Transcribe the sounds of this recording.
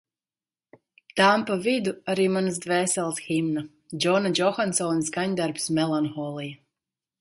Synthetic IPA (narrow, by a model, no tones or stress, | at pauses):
t̪ampavid̪uaɾiːmans̬d̪vɛːsɛlˠt̪ximna | d͡ʒɔnad͡ʒɔxansɔːnsɡaɲʲd̪aɾpsmɛlˠanxɔlˠija